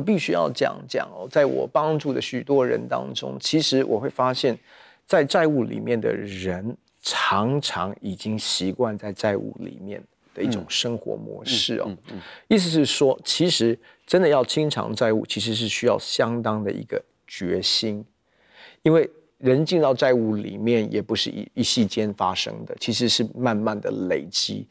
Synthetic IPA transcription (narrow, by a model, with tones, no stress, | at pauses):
p̬i˥˩ɕy˥jɑ̰˥˩ʊt͡ɕjɑ̰˨˩ŋt͡ɕjɑ̰˨˩ŋɐ̰˩t͡sa˥˩ɪwɔ̰˨˩pɑ˥ŋʈ͡ʂu˥˩d̪ə˩ɕy˨˩t̪wɔ˥ɻə̰˧˥nt̪ɑ̰˥ŋʈ͡ʂʊ̰˥ŋt͡ɕʰi˧˥ʂɻ̩˧˥wʔɔ̰˨˩xwe˥˩ɪfa˥ɕjɛ˥˩n | t͡sa˥˧ɪt͡sa˥˧ɪu˥˩lḭ˨˩mjɛ˥˩nd̪ə̰˩ɻə˧˥n | ʈ͡ʂʰɑ˧˥ŋʈ͡ʂʰɑ˧˥ŋi˨˩t͡ɕi˥ŋɕi˧˥kwa˥˧nt͡sa˥˧ɪt͡sa˥˧ɪṵ˥˩lḭ˨˩mjɛ̰˥˩n | d̪̥ə˦i˥˩ʈ͡ʂʊ˨˩ŋʂɤ˥ŋxwɔ̰˧˥mwɔ̰˧˥ʂɻ̩̰˥˩ɐ̰˩i˥˩s̬̩˧˩ʂɻ̩˥˩ʂwɔ˥t͡ɕʰi˧˥ʂɻ̩˧˥ | ʈ͡ʂə˥nd̪ə˨jɑ˥˩ʊt͡ɕʰi˥ŋʈ͡ʂʰɑ̰˧˥ŋt͡sa˥˧ɪu˥˩t͡ɕʰi˧˥ʂ̬ɻ̩˧˥ʂ̬ɻ̩˥˩ɕy˥jɑ˥˩ʊɕjɑ˥ŋt̪ɑ˥ŋd̪ə̰˨ḭ˧˥ɡ̥ə˧ | t͡ɕɥɛ˧˥ɕi˥n | i˥nwe˥˩ɪ | ɻə˧˥nt͡ɕi˥˧nt̪ɑ˥˧ʊt͡sa˥˧ɪu˥˩lḭ˨˩mjɛ˥˩njɛ˨˩pu˧˥ʂɻ̩˥˩ḭ˨˩i˥˩ɕi˥˩t͡ɕjɛ˥nfa˥ʂɤ̰˥ŋd̪ə˨t͡ɕʰi˧˥ʂ̬ɻ̩˧˥ʂɻ̩˥˧ma˥˧nma˥˩nd̪ə̰˨˩le˨˩ɪt͡ɕi˥